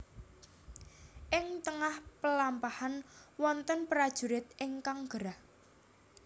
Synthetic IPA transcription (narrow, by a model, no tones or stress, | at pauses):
ʔɪŋt̪əŋahpəlampahanwɔnt̪ənpɾad̥ʒ̥ṳɾɪt̪̚ʔɪŋkaŋɡ̥əɾah